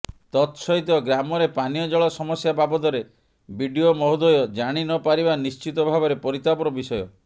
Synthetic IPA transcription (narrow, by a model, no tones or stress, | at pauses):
t̪ɔt̪sɔit̪ɔɡɾamɔɾepanijɔd͡ʒɔɭɔsɔmɔsjababɔt̪ɔɾe | bʱiɖiomɔɦud̪ɔjɔd͡ʒaɽ̃inɔpaɾibanist͡ʃit̪ɔbʱabɔɾepɔɾit̪apɔɾɔbisɔjɔ